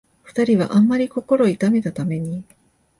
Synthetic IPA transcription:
ɸɯ̟̥t̪aɾʲiβ̞a̰ʔãmːaɾʲiko̞ko̞ɾo̞it̪ame̞t̪at̪ame̞ɲ̟i

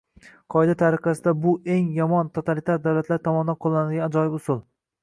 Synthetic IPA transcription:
qʰɒɪd̪at̪ʰaɾɪqɑsɪd̪abʊe̞ŋjɒmɒnt̪ʰot̪ʰalit̪ʰaɾd̪awlat̪laɾt̪ʰɒmɒnɪd̪anqʰolˠːanɪd̪ɪɡʲanad͡ʒɒjɪbʊsʊlˠ

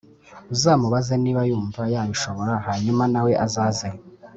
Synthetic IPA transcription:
uzaːmuβazeniːβajuːɱvajaβiʃo̞βo̞ɾahaɲumanawe̞ʔazaːze

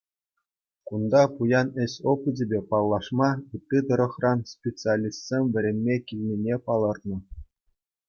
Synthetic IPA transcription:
kund̪ɑpujɑnɘ̆ɕʲopɘ̆dʲĕbʲepɑlˠːɑʂmɑɯt̪ʲːid̪ɤ̆ɾɤ̆χrɑnspʲet͡sɨalʲist̪ʲsʲemʲʋʲɘ̆ɾʲemʲːekʲilʲnʲenʲepɑlˠɤ̆rnɤ̆

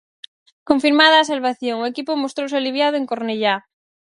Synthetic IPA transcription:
koɱfiɾmaðaːs̬alβaθjoŋoekipomost̪ɾos̬ealiβjaðoeŋkoɾneʎa

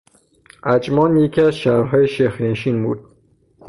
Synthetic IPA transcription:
æd͡ʒmɒːnjekiæzʃaɾɦɒːjeʃexɾenʃinbṵːd̪̥̚

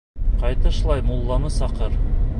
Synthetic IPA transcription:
qɑjt̪ɤʃ̆lˠɑjmulˠːɑnɤsɑqɤɾ

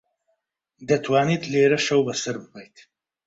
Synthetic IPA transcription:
d̪ɐt̪ʰwaːniːt̪ʰleːɾɐʃɐwbɐsɐɾbɨpʰɐjt̪

